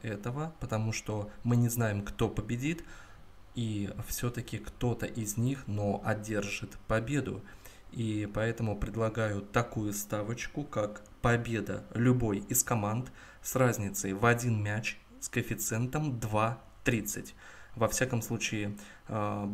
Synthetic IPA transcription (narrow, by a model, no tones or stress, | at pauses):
ɛt̪əvəpət̪ɐmuʂt̪o̞mɨnʲɪznajɪmkt̪o̞pəbʲɪdʲit̪ | ifsʲot̪əkʲɪkt̪o̞t̪əʔɪzʲnʲixno̞ʔɐdʲe̞rʐɨt̪pɐbʲe̞d̪ʊ̰ipɐɛt̪əmʊpɾʲɪd̪lˠɐɡajʊt̪ɐkujʊst̪avət͡ɕkʊkak | pɐbʲe̞d̪ə̰lʲʊbo̞jɪskɐmant̪ | srazʲnʲɪt̪səjvɐdʲinmʲæt͡ɕ | skəfʲɪt̪sɛnt̪əmd̪va | t̪ɾʲit̪sɨtʲ | vɐfsʲakəmslˠut͡ɕɪɪ